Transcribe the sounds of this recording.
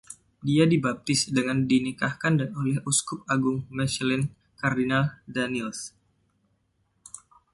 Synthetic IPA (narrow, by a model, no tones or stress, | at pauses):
diadibap̚t̪ɪsdəŋandinikahkandanolɛhuskʊp̚aɡʊŋmɛslɛn | kardinaldanils